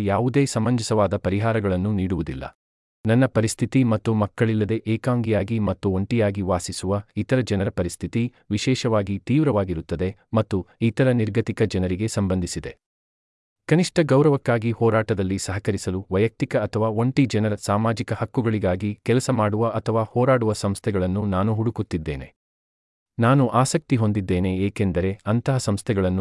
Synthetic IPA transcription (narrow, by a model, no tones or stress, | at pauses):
jaːʋud̪e̞ːsɐmbɐnd͡ʒʱisɐʋaːd̪ɐpɐɾiɦaːɾɐɡɐɭɐnːuniːɽuʋud̪ilːɐ̰ | nɐnːɐpɐɾist̪ʰit̪imɐt̪ːumɐkːɐɭilːɐd̪e̞ʔeːkaːŋɡijaːɡimɐt̪ːuoɳʈijaːɡiʋaːsisuʋɐit̪ɐɾɐd͡ʒɐnɐɾɐpɐɾist̪ʰit̪i | ʋiʃɛːʃɐʋaːɡit̪iːʋɾɐʋaːɡiɾut̪ːɐd̪e̞mɐt̪ːuit̪ɐɾɐniɾɡʱɐt̪ikɐd͡ʒɐnɐɾiɡe̞sɐmbɐnd̪ʱisid̪e̞ | kɐniʂʈɐɡɐwɾɐʋɐkːaːɡihɔːɾaːʈɐd̪ɐlːisɐɦɐkɐɾisɐluʋɐjɐk̚t̪ikɐːt̪ʰɐʋaːoɳʈid͡ʒɐnɐɾɐsaːmaːd͡ʒikɐhɐkːuɡɐɭiɡaːɡikɛlɐsɐmaːɽuʋɐʔɐt̪ʰɐʋaːhɔːɾaːɽuʋɐsɐmst̪ʰɛɡɐɭɐnːunaːnuɦuɽukut̪ːid̪ːe̞ːne̞̰ | naːnuʔaːsɐk̚t̪iɦo̞nd̪id̪ːe̞ːne̞eːke̞nd̪ɐɾe̞ɐnt̪ɐɦɐsɐmst̪ʰɛɡɐɭɐnːu